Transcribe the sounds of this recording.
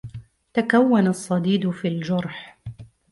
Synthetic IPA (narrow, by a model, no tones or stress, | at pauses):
t̪akawːanasˤːɑd̪iːd̪fiːld͡ʒʊɾˤħ